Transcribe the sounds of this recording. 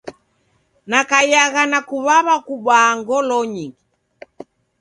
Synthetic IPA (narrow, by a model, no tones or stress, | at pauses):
nakajaɣanakuβaβakuɓaːŋɡɔlɔɲiŋɡi